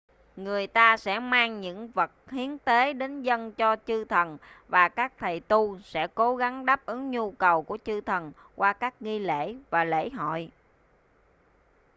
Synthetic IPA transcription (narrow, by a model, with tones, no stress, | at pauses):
ŋɨ˨˩əjt̪aː˧sɛ̰˧˥maː˧ŋɲɨ̰˧˥ŋvə˨˩t̚hi˨˦ənt̪e˨˦ɗe˨˦nzə˧nt͡ɕɔ˧t͡ɕɨ˧t̪ʰə˨˩nvaː˨˩kaː˦˥k̚t̪ʰə˨˩jt̪u˧sɛ̰˧˥ko˨˦ɣa˨˦ŋɗaː˦˥p̚ʔɨ˨˦ŋɲu˧kə˨˩wku˧˩ət͡ɕɨ˧t̪ʰə˨˩n | kwʔaː˧kaː˦˥k̚ŋi˧lḛ˧˥vaː˨˩lḛ˧˥ɦɔ̰˧˨j